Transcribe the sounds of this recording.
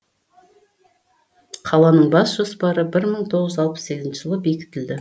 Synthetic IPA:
qʰɑlˠɑnəɴbɑsʒ̥ospɑɾəbɪɾməɴt̪ʰo̞ʁəʒzzɑlˠpə̥sse̞ɡʲɪznʃɪʒəlˠəbe̞kʲɪ̥t̪ɪld̪ɪ

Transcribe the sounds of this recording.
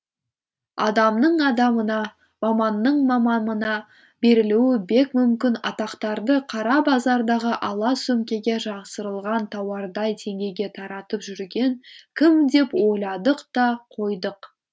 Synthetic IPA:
ɑ̰d̪ɑmnəɴɑd̪ɑmənɑ | mɑmɑnːəɴmɑmɑnənɑ | be̞ɾɪluwɪbe̞kmʏmkʲɪnɑ̰t̪ɑqt̪ɑɾd̪əqʰɑɾɑbɑzɑɾd̪ɑʁəʔɑlˠɑsɵmkʲe̞ɡʲe̞ʒɑʁsəɾəlˠʁɑnt̪ʰɑwɑɾd̪ɑjt̪ʰe̞ŋɡʲe̞jɡʲe̞t̪ʰɑɾɑt̪əpʒʏɾɡʲe̞ŋkʲʰɪmd̪e̞pwo̞jlˠɑd̪əqt̪ɑqʰo̞jd̪əq

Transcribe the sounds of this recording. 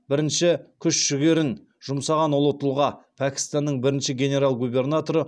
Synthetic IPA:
bɪɾɪnʃɪkʲʰʏʃʒʏɡʲe̞ɾɪn | ʒ̥ʊmsɑʁɑnwolˠət̪əlˠʁɑpʰækʲɪ̥st̪ɑnːəɴbɪɾɪnʃɪɡʲene̞ɾalˠɡubʲe̞rnat̪o̞ɾə

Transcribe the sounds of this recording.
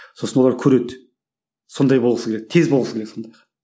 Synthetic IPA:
so̞sənwoɑɾkʲʰɵɾe̞t̪ | so̞nd̪ɑjbolˠʁəsəɡʲeɾek̚t̪ʰezbolˠʁəsəɡʲeɾek̪so̞nd̪ɑjq

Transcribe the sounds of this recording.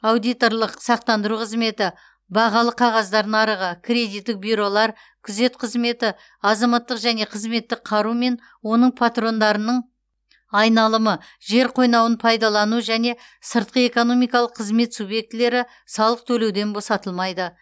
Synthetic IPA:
awd̪ijt̪o̞ɾlˠəqsɑq̚t̪ɑnd̪əɾuqʰəzme̞t̪ɪ | bɑʁɑlˠəqʰɑʁɑzd̪ɑɾd̪əɴɑɾəʁəkʲʰɾʲe̞d̪it̪ːɪk̚bʲyɾo̞lˠɑɾ | kʲʰʏze̞t̪qʰəzme̞t̪ɪ | ɑzɑmɑt̪ːəqʒæne̞qʰəzme̞t̪ːɪqʰɑɾume̞n | wo̞nəɴpʰat̪ro̞nd̪ɑɾənəɴ | ɑjnɑlˠəmə | ʒe̞ɾqʰo̞jnɑwənpʰɑjd̪ɑlˠɑnuʒæne̞ | səɾt̪̚qəe̞ko̞no̞mijkɑlˠəqːʰəzme̞t̪subje̞k̚t̪ɪle̞ɾɪ | sɑlˠəq̚t̪ʰɵle̞wd̪e̞nbo̞sɑt̪əlˠmɑjd̪ə

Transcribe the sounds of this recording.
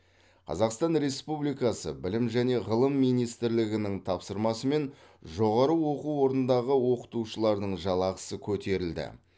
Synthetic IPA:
qʰɑ̰zɑqst̪ɑnɾe̞spublijkɑsə̰bɪlɪmʒæne̞ʁəlˠəmːijnijst̪ɪɾlɪɡʲɪnɪŋt̪ʰɑpsəɾmɑsəme̞n | ʒo̞ʁɑɾəwo̞quwo̞ɾnənd̪ɑʁəwo̞qə̥t̪uʃəlˠɑɾd̪əɴʒɑlˠɑqə̥səkʲʰɵt̪e̞ɾɪld̪ɪ̰

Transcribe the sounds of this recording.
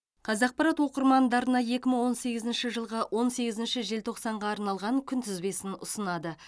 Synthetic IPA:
qʰɑzɑq̚pɑɾɑt̪wo̞qəɾmɑnd̪ɑɾənɑje̞kʲɪməɴwo̞nse̞ɡʲɪzɪnʃɪʒəlˠʁɑwʔo̞nse̞ɡʲɪzɪnʃɪʒe̞lt̪ʰo̞qsɑɴʁɑːɾnɑlˠʁɑŋkʲʰʏnt̪ʰʏzbe̞sɪnʊsənɑd̪ə

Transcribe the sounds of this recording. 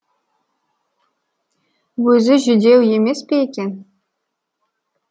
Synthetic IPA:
wuzʲɘʒydʲewjemʲespʲetʲe

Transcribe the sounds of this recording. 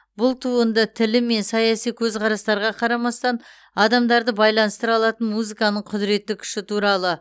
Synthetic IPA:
bʊlˠt̪ʰuənd̪ət̪ʰɪlɪme̞nsɑjɑsijkʲʰɵzqʰɑɾɑst̪ɑɾʁɑqʰɑɾɑmɑst̪ɑn | ɑd̪ɑmd̪ɑɾd̪əbɑjlˠɑnəst̪əɾɑlˠɑt̪ənmuzikɑnəɴqʰʊd̪ɪɾe̞t̪ːɪkʲʰʏ̥ʃɪt̪ʰuɾɑlˠə

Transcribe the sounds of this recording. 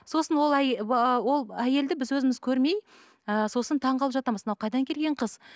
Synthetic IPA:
so̞sənwo̞lˠæwo̞lˠæje̞ld̪ɪbɪzwɵzɪmɪzkʲʰɵɾme̞j | əso̞sənt̪ʰɑɴqɑlˠəpʒɑt̪ɑməzmənɑwqʰɑjd̪ɑŋkʲʰe̞lɡʲe̞ɴqʰəz

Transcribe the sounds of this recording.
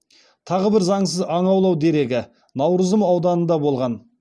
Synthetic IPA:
t̪ʰɑʁəbɪɾzɑɴsəzɑɴɑwlˠɑwd̪e̞ɾe̞ɡʲɪ | nɑwɾəzəmɑwd̪ɑnənd̪ɑbo̞lˠʁɑn

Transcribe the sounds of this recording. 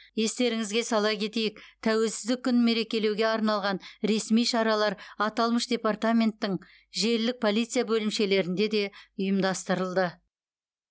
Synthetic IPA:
je̞st̪e̞ɾɪŋɪzɡʲe̞sɑlˠɑjkʲʰe̞t̪e̞jɪkt̪ʰæwe̞lsɪzd̪ɪkʲʰːʏnme̞ɾe̞kʲe̞le̞wɡʲe̞ɑɾnɑlˠʁɑnɾe̞smijʃɑɾɑlˠɑɾɑt̪ɑlˠməʃd̪ʲe̞part̪amʲe̞nt̪ːɪŋ | ʒe̞ɾlːɪk̚pʰo̞lijt̪sɨjabɵlɪmʃe̞le̞ɾɪnd̪e̞d̪e̞ʊjəmd̪ɑst̪əɾəlˠd̪ə

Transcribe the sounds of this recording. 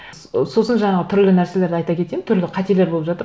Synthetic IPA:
so̞sənʒɑɴɑʁət̪ʰʏɾlɪnæɾse̞le̞ɾd̪ɪɑjt̪ɑkʲʰe̞t̪emnt̪ʰʏɾlɪqʰɑt̪ele̞ɾbopʒɑt̪əɾ

